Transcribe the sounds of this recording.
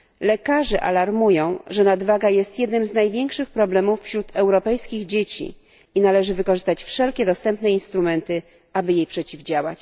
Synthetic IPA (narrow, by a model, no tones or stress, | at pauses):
lɛkaʐɛʔa̰laɾmujɔ̃w̃ʐɛnad̪vaɡajɛst̪jɛd̪nɘmznajvʲjeŋkʂɘxpɾɔblɛmufːɕɾut̪ɛwɾɔpɛjskʲiɣd͡ʑet͡ɕḭ | inalɛʐɘvɘkɔʐɘst̪at͡ɕfʂɛlkʲɛd̪ɔst̪ɛmpnɛinst̪ɾumɛnt̪ɘ | abɘjejpʂɛt͡ɕivd͡ʑawa̰t͡ɕ